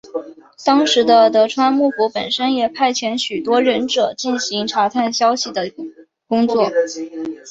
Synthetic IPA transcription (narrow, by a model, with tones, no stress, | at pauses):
t̪ɑ˥ŋʂɻ̩˧˥d̪ə˧t̪ɤ˧˥ʈ͡ʂʰwa˥nmu˥˩fu˧˥pə˨˩nʂə˥njɛ˨˩pʰa˥˩ɪt͡ɕʰjɛ˧˥nɕy˨˩t̪wɔ˥ɻə˧˥nʈ͡ʂɤ˨˩t͡ɕi˥˩nɕi˧˥ŋʈ͡ʂʰa˧˥t̪ʰa˥˩nɕjɑ˥ʊɕi˨˩d̪ə˩ | kʊ˥ŋt͡swɔ˥˩